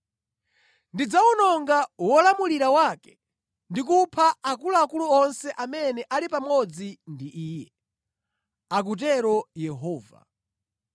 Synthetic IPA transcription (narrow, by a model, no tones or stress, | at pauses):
ndid͡zaunɔŋɡawɔlamuliɾawaːkɛ̥ | ndik̬upʰaakuluakuluɔnsɛʔamɛnɛʔalipamɔd͡zindiʔiːjɛ | ak̬ut̬ɛɾɔjɛɦɔːva̰